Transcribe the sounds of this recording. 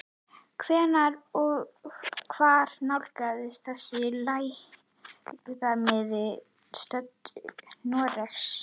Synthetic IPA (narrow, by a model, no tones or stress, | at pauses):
kʰvɛːnaɾɔɣkʰv̥aɾ̥nawlkaðɪst̪θɛsɪlaːj | ɪθamɪð | st̪œt̪nɔɾɛxs